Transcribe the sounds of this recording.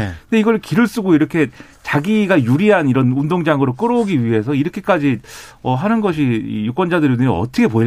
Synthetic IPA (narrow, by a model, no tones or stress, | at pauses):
nde̞iɡʌɭkiɾɯɭs͈uɡoiɾʌkʰe̞ | t͡ɕaɡiɡajuɾiɦaniɾʌnundoŋd͡ʑaŋɯɾok͈ɯɾoɡiɥiɦe̞sʰʌiɾʌkʰe̞k͈ad͡ʑiʌɦanɯnɡʌɕʰiḭjuk͈ʌnd͡ʑadɯɾdɯiʌ̰t͈ʰʌkʰe̞poi